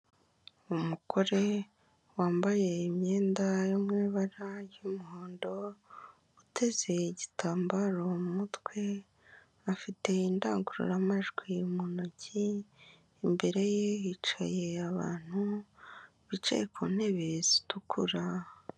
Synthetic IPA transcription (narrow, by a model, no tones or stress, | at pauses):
umukʰo̞ɾe̞ | waːmbaje̞imɲeːndajomŋiːβaɾajumuhoːndo̞ | utʰe̞ze̞iɟitʰaːmbaɾo̞mumutwe̞ | afite̞inda̰ːŋɡuɾṵɾamaʒɡwimunociː | mbe̞ɾe̞jejit͡ʃaje̞aβa̰ːn̥hu | βit͡ʃḛjkun̥e̞βezi̥tukʰuɾa